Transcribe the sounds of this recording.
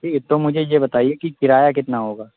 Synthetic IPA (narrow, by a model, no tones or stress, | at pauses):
iːt̪omʊd͡ʒʱejebɐt̪aːiekikɪɾaːjakɪt̪naɦoːɡaː